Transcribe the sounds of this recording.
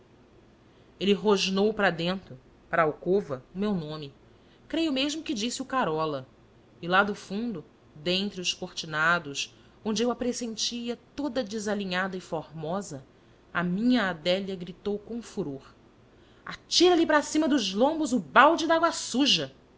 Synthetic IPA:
elɪɦoʒnowpɾɐd̪ẽnt̪ɾʊ | pɾɐawkovɐʊmewnõmɪ | kɾejʊmeʒmʊkɪd͡ʒisiukaɾɔlɐ | ɪlad̪ʊfũd̪ʊ | d̪ẽnt̪ɾɪʊʃkoht͡ʃinad̪ʊʃ | õnd͡ʒɪewapɾesẽnt͡ʃiɐt̪od̪ɐd͡ʒɪzaliɲad̪ɐɪfoɾmɔzɐ | ɐ̰mĩɲɐːd̪ɛljɐɡɾit̪owkõfuɾoɾ | a̰t͡ʃiɾɐlipɾasĩmɐd̪ʊʒlõmbʊzʊbawd͡ʒɪd̪aaɡwɐsuʒɐ

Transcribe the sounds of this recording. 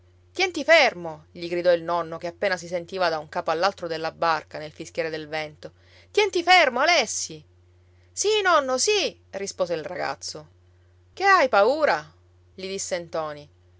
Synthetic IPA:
t̪jɛnt̪ifermoʎiɡɾid̪ɔilnɔnːokeapːeːnas̬isent̪iːvad̪auŋkaːpoalːalt̪ɾod̪elːabarkanelfisk̟jɛːɾed̪elvɛnt̪o | t̪jɛnt̪ifermoalɛsːi | sinɔnːosi | rispoːzeilraɡa̰t̪sːo | keajpauːɾa | ʎid̪isːent̪ɔːni

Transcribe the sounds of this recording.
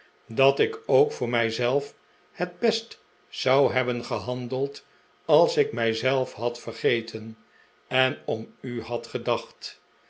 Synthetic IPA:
dɑtɪkowkfʊːɹmɛjzɛlˠf | həd̚bɛst | sɑwɦɛbənχəɦɑndəlˠt | ɑlˠsɪk̚mɛjzɛlˠfɦɑtfərχejtʰən | ɛnɔmyhɑtχədɑχt

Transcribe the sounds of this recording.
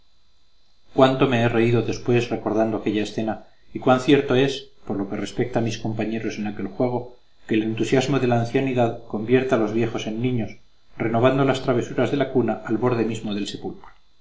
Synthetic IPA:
kwant̪o̞me̞ere̞iðoðe̞spwe̞sre̞ko̞ɾðand̪o̞ake̞ʎaesθe̞na | ikwanθje̞ɾt̪o̞e̞spo̞ɾlo̞ke̞re̞spe̞k̚t̪amisko̞mpaɲe̞ɾo̞se̞nake̞lxwe̞ɣ̞o̞ | kele̞nt̪usjazmo̞ðe̞laːnθjaniðaðko̞mbje̞ɾt̪alo̞zβje̞xo̞se̞nːĩɲo̞s | re̞no̞β̞and̪o̞last̪ɾaβ̞e̞suɾazðe̞lakunaʔalβo̞ɾð̞e̞mizmo̞ðe̞lse̞pulkɾo

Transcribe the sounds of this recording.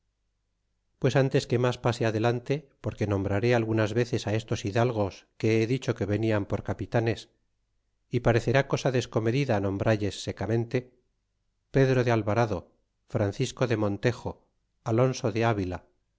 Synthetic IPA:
pwe̞sant̪e̞ske̞maspaseaðe̞lant̪e̞po̞ɾke̞nõ̞mbɾaɾealɣunazβe̞θe̞sae̞st̪o̞siðalɣ̞o̞ske̞eðit͡ʃo̞ke̞βe̞niampo̞ɾkapit̪ane̞s | ipaɾe̞θe̞ɾako̞saðe̞sko̞me̞ðiðanõ̞mbɾaʎe̞sːe̞kamẽ̞nt̪e̞ | pe̞ðɾo̞ðealβaɾaðo̞ | fɾanθisko̞ðe̞mõ̞nt̪e̞xo̞ | alo̞nso̞ðe̞aβila

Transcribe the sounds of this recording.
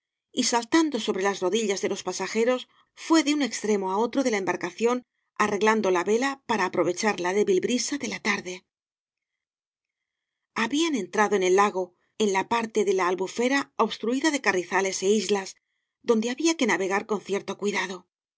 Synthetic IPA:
isalt̪and̪o̞so̞βɾe̞lazro̞ðiʎazðe̞lo̞spasaxe̞ɾo̞s | fwe̞ðeune̞kst̪ɾe̞mo̞ao̞t̪ɾo̞ðe̞laembaɾkaθjo̞n | are̞ɣland̪o̞laβe̞lapaɾaːpɾo̞β̞e̞t͡ʃaɾlaðe̞βilbɾisaðe̞lat̪aɾðe̞ | aβiane̞nt̪ɾaðo̞e̞ne̞lːaɣo̞ | enlapaɾt̪e̞ðe̞laːlβufe̞ɾaoβst̪ɾuiðaðe̞kariθale̞se̞izlas | ðo̞nd̪e̞aβiake̞naβe̞ɣaɾko̞nθje̞ɾt̪o̞kwiðaðo̞

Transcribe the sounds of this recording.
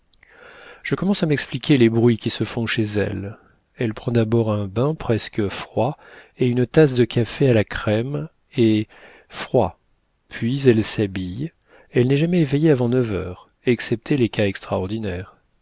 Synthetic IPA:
ʒ̥əkɔmɑ̃samɛksplikʲʰelebʁɥikʲisəfɔ̃ʃezɛ̰l | ɛlpχɑ̃d̪abɔʁɛ̃bɛ̃pχɛskəfχwaeynt̪as̬d̪əkʰʲafealakχɛm | e | fχwa | pɥizɛlsabij | ɛlnɛʒamɛevejeavɑ̃nœvœːʁ | ɛksɛp̚t̪ʰelekaɛkst̪χaɔʁd̪inɛːʁ

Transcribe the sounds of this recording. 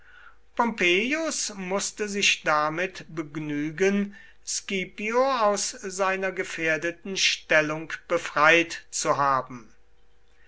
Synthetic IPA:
pɔmpeːjʊsmʊstəzɪʃd̥amɪtbəɡnyːɡən | skiːpioaʊszaɪnɐɡəfeːɐdətn̩ʃtɛlʊŋkb̥əfʁ̥aɪtt͡suɦaːbm̩

